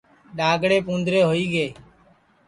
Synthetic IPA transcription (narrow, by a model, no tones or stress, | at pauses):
ɗaːɡɽeːpũːnd̪ɾeːɦoːiːɡeː